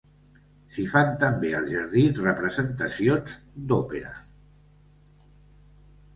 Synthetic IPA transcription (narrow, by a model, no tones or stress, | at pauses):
sifant̪əmbeə̰lˠʒəɾð̞izrəpɾəzənt̪əsijonzd̪ɔpeɾə̰